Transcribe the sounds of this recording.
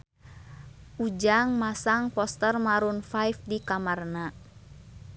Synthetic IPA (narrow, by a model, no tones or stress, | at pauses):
ʔud͡ʒaŋmasaŋpɔst̪ərmaɾunfajfdikamarna